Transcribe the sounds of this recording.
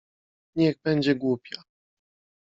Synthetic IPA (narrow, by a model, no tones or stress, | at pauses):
ɲɛɣbɛɲd͡ʑɛɡwupʲja